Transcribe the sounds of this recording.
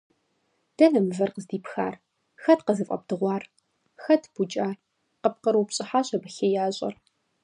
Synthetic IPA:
d̥ɐnɐmvɐrqəzdiːpxa̰ːr | xɐtqɐzɨfʼɐ̰b̚dɨʁʷɑːr | xɐtʰb̥ut͡ʃʼaː | qəp̚qəɾuwpɕʼɪħaːɕɐbɨɬɐjaːɕʼɐ̰r

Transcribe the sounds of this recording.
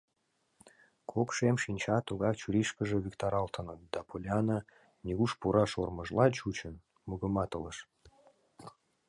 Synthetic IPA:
kʰokʃemʃinʲt͡ɕɑt̪uɣɑkt͡ɕuɾʲiʃkəʒeβikt̪ɑɾɑlt̪ʰənət̪̚d̪̥ɑpʰolʲeɑnə | nʲiɣuʃpuɾɑʃorməʒlɑt͡ɕut͡ɕən | muɣə̆mɑt̪ələʃ

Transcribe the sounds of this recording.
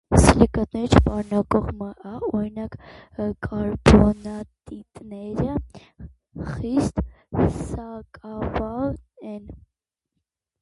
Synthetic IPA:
slikɑt̪̚nɛɾit͡ʃʰpɑɾnɑkʼɔʁməʔɑɔɾinɑkkʰʼɑɾbɔnɑt̪ʼit̪nɛɾə | χist̪sɑkʼɑvɑlɛn

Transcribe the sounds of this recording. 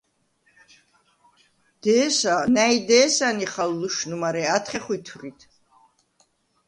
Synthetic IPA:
d̪̥ɛːsanajd̪ɛːsaniχalːuʃnumaɾɛat̪ʰχɛχwit̪ʰrit̪ʰ

